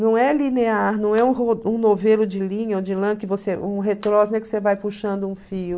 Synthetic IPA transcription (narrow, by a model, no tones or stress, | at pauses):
nɐ̃w̃ɛlineaɾnɐ̃w̃ɛũɦoũnovelʊd͡ʒɪlĩɲɐod͡ʒɪlɐ̃kɪvoseʔũɦet̪ɾɔsñɛkɪsevajpuʃɐ̃nd̪ʊũfiʊ